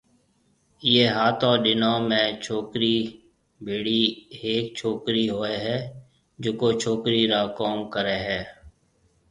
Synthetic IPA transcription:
jeːɦaːt̪ɔ̃ːɗɪnãːmẽːt͡ʃʰoːkɾiː | bʱiːɽiːɦeːk̚t͡ʃʰoːkɾiːɦoːeːɦɛː | d͡ʒoːkoːt͡ʃʰoːkɾiːɾaːkoːmkəɾeːɦɛː

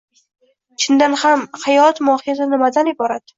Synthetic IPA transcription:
t͡ʃʰɪnd̪anhamhajɒt̪mɒhɪjazanɪmad̪anɪbɒɾad̪̥

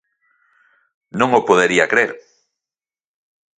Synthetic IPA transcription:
nõŋopoðeɾiɐkɾeɾ

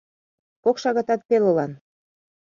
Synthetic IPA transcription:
kokʃɑɣɑt̪ɑt̪̚pelulɑn

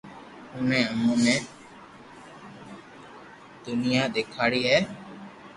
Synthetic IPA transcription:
ʊnɛ̃ːəmũːnɛ̃ː | d̪ʊnɪjaːd̪eːkʰaːɽiːɦɛː

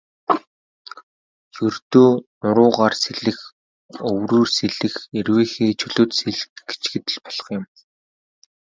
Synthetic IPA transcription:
jɵrt̪oːnʊɾʊːʁaːrseɮɘ̆x | ɵwruːrseɮɘ̆xerweːxeːt͡ɕʰɵɮʊ̆ːt̪seɮɡ̥e̥t͡ɕɡɘ̆t̪ɘ̆ɮpɔɮ̥ə̥̆χjɪ̆m

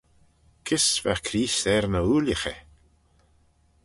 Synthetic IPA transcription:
kʰɪsva̰kʰɾiːsɛɾnəuːljəxə

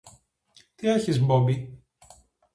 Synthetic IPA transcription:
t̪ieçizmbombi

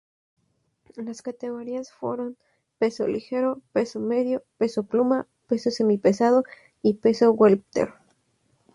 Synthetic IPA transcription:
laskat̪e̞ɣo̞ɾiasfwḛɾo̞n | pe̞so̞̰lixe̞ɾo̞pe̞so̞me̞ðjo̞pe̞so̞pluma | pe̞so̞se̞mipesaðo̞ | ipe̞so̞welpt̪ḛɾ

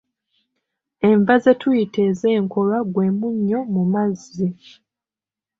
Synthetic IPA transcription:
e̞ɱvaze̞tujitʰe̞ːze̞ːŋko̞lwaɡwe̞ːmuɲːo̞mumazi

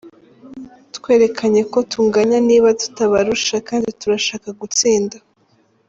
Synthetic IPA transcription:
tkwe̞ːɾe̞kʰaɲe̞ko̞tʰuːŋɡaɲaniːβatu̥taβaɾuʃakaːndituɾaʃaːkaɡut͡siːnda

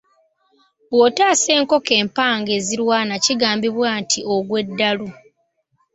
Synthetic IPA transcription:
bwo̞ːtaːse̞ːŋko̞ke̞ːmpaːŋɡe̞ːziɾwaːnaciɡaːmbiβwaːntʰio̞ɡwe̞dːalu

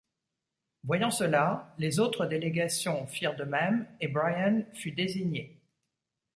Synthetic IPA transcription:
vwajɑ̃səlalezot̪χəd̪eleɡasjɔ̃fiʁd̪əmɛmebʁajanfyd̪eziɲe

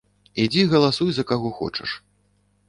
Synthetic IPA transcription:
id͡zʲiɣɐlˠasujzɐkaɣɔxɔ̰t͡ʂɐ̰ʂ

